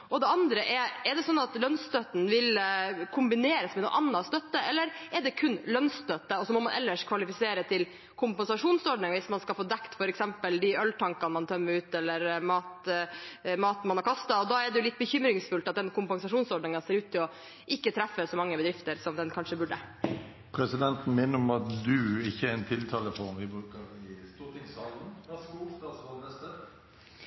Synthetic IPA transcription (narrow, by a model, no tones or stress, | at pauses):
ɔd̪ɛɑnd̪ɾəʔɛɾɛɖ̪ɛsɔnːɑt̪lœnst̪œt̪n̩ʋɪlkʰʊmbɪneːɾəsmɛnṵːʔɑnːɑst̪œt̪ːəɛlːəɾɛɖɛkʰʉnlœnst̪œt̪ːəɔsɔmɔmɑnʔɛ̰lːəʂkʰʋɑlɪfɪseːɾət̪ʰɪl | kʰʊmpɛnsɑʂuːnsɔɖɳɪŋʋɪsmɑnskɑlfoːd̪ɛkt̪fɔɾɛksɛmpəld̪ɪœlʈ̪ʰɑŋkɑnmɑnt̪ʰœmːəɾʉːt̪ɛlːəɾmɑːt̪ | mɑːt̪nmɑnhɑɾkʰɑst̪ɑɔd̪ɑːɛɖɛjʊlɪt̪̚ːbəçʏmɾɪŋsfʉlt̪ɑt̪̚d̪ɛnkʰʊmpɛnsɑʂuːnsɔɖɳɪŋɑseːɾʉːt̪ʰːɪlɔ | ʔɪkːət̪ʰɾæfːəsɔmɑŋːəbəd̪ɾɪft̪əɾsɔmd̪ɛnkʰɑnʂəbʉɖə | pʰɾɛsɪd̪ɛnt̪n̩mɛnəɾɔmɑt̪d̪ʉɪçːəɛɾɛnt̪ʰɪlt̪ʰɑːləfɔɾnʋɪbɾʉːkəɾɪst̪uːʁt̪ʰɪŋsɑːln̩skuːst̪ɑːsɑəsə